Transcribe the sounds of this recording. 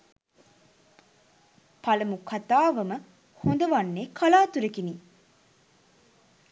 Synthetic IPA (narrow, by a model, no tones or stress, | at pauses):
pɐlɐmukʰɐt̪aːʋɐmə | hond̪ɐʋɐnːeːkʰɐlaːt̪uɾekiniː